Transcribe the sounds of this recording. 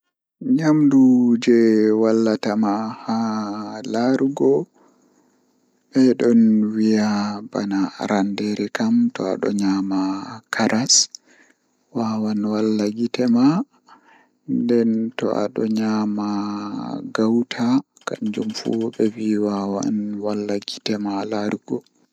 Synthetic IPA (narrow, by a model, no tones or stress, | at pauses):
ɲamdud͡ʒɛwalːatamahalaɾɡɔ | ɓɛɗɔnwijabanaɾandeɾɛkamtɔa̰ɗɔ̰ɲaːmakʰaɾas | wawanwalːaɡitɛma | ndɛntɔ̰ʔa̰ɗɔ̰ɲama | ɡawtʰa | kand͡ʒumfṵɓɛwiwawa̰nwalːaɡitɛmalaɾɡɔ